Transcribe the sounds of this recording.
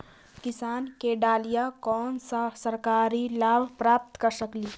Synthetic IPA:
kɪsaːnkeɖaːlijakɔːnssɐɾkaːɾilaːbʱpɾaːp̚t̪kəɾsəkliː

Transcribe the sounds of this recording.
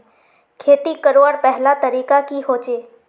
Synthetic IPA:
kʰeːt̪ikəɾoːɾpɛɦlat̪əɾiːkakiɦoːt͡ʃeː

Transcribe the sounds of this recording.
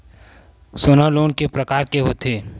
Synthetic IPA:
soːnəloːnkepɾəkaːɾkeɦot̪eː

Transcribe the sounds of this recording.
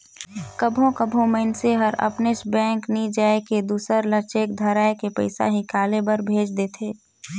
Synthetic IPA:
kəbʱõkəbʱõməɪnseɦəɾɐ̰pnesbɛ̃ːŋknid͡ʒaːeked̪uːsəɾləɾt͡ʃeːk̚d̪ʱɐɾaːekepə̰ɪsa̰ɦikaːlebəɾbʱeːd͡ʒd̪eːt̪ʰeː

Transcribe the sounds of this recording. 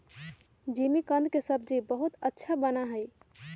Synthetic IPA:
d͡ʒimikə̃nd̪̚kesəb̚d͡ʒibəɦut̪ətːʃʰabənaɦəj

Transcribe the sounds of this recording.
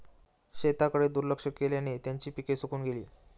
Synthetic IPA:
ɕet̪akəɽed̪uɾləkʂəkːeljanet̪jaɲt͡ɕiːpikesukuːnɡelḭː

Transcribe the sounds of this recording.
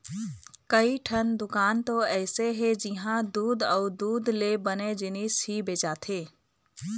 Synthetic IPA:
kəiʈʰənd̪ʊkaːnt̪oɛːseɦɛd͡ʒɪɦãd̪uːd̪ɔːɾd̪uːd̪lebəned͡ʒɪniːsɦibeːt͡ʃat̪ʰeː

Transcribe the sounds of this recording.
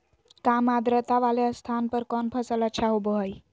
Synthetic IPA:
kamad̪ɾət̪aʋaleəst̪ʰanpəɾkɔnpʰəsələtːʃʰaɦoboɦəj

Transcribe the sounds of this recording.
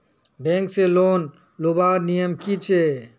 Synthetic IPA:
bẽːŋkseloːn | lubaːɾnijəmkit͡ʃʰe

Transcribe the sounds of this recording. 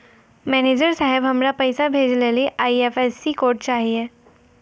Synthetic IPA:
mɛːneːd͡ʒəɾsaːɦɪbɦɐmɾapɛɪsabʱeːd͡ʒleliʔaːiɛfɛsːikoːɾʈ̚t͡ʃaːɦieː

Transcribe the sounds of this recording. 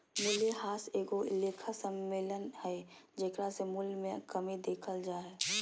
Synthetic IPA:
mʊljehaːseːɡoɪleːkʰasəmːeːlənhɛd͡ʒeːkɾasemʊlmẽkəmid̪eːkʰəld͡ʒaːe

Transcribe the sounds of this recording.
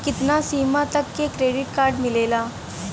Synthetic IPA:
kɪt̪nasiːmãt̪ɐkːekɾeːɖɪʈkaːɾɖmɪleːlaː

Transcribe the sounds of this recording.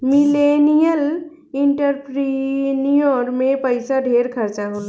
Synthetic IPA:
milenijəl | iɳʈəɾpɾinijoɾmẽpəɪsaɖʱeɾkʰəɾt͡ʃaɦola

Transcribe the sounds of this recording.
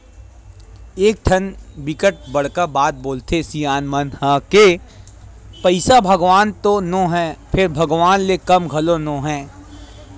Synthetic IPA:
eːk̚t̪ʰɐnbɪkəʈ̚bɐɽ̤kəɾbaːt̪̚boːlt̪esijaːnmənhə̃ke | pɐɪsabʱɐɡʋaːnt̪onõːɦɛ̃ːpʰɪɾbʱɐɡʋaːnlekɐmɡʱɐlonõːɦɛ̃ː

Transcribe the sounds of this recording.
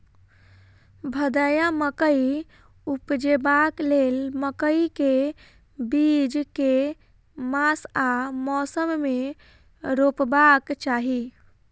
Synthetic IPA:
bʱəd̪əjaməkəi | upd͡ʒebaklelməkəike | bid͡ʒke | masamɔsəmːe | ɾopbakt͡ʃaɦi

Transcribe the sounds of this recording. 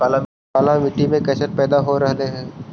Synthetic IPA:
aːla | aːlamɪʈːimẽkɛːsəʈ̚pɛːd̪aɦoɾɐɦneɦɛ̃ː

